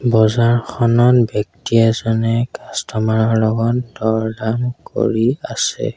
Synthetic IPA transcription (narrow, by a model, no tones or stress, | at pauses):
bɔzaɹxʰɔnɔnbjɔk̚tiɛzɔnɛkastɔmaɹɔɹlɔɡɔndɔɹdamko̰ɹiasɛ̰